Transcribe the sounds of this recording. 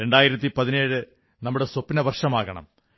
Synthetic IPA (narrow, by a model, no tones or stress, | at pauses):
ɾe̞ɳɖaːjiɾɐt̪ːipɐðine̞ːɻɨ | nɐmːuɽe̞sopːinɐʋɐrʂɐmaːɣɐɳɐ̰m